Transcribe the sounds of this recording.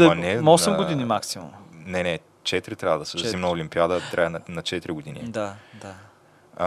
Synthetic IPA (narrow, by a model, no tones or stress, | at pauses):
nɛmɔsɛmɡʊinimaksimɐ̰mnɛnɛ | t͡ʃɛt̪ɾit̪ɾʲavəd̪ɐsɛzimnɐolimpiad̪ət̪ɾʔa̰ɛnɐnɐt͡ʃɛt̪ɾiɡod̪inḭd̪ad̪a